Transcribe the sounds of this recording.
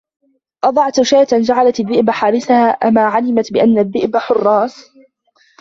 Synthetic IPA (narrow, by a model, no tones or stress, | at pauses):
ʔɑd̪ˤɑʕt̪ʔʊʃaːt̪and͡ʒaʕalat̪aðːɪʔbaħaːɾɪsahaːʔamaːʕalɪmat̪bɪʔanːaðːɪʔbaħʊrˤːɑːs